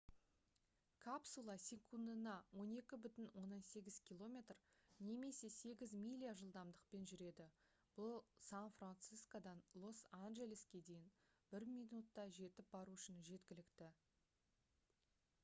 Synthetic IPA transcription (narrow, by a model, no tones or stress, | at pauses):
kʰapsulˠɑsʲe̞kʰund̪ənɑwo̞ne̞kʲɪbʏt̪ɪnwo̞nːɑnse̞ɡʲɪz̥kʲʰilˠo̞mʲe̞t̪rne̞me̞se̞se̞ɡʲɪzmʲilʲijaʒəlˠd̪ɑmd̪əq̚pe̞nʒʏɾe̞d̪ɪ | b̥ʊlˠsanfrant̪sijskod̪ɑnlˠo̞sanʒe̞lʲeskʲe̞d̪e̞jɪn | bɪɾmʲijnut̪ːɑʒe̞t̪ɪp̚bɑɾuʏʃɪnʒe̞t̪kʲɪlɪkt̪ɪ